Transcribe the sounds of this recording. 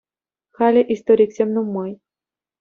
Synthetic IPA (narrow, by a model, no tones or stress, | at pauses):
xalʲeʔist̪oɾʲiksʲemnumːɤj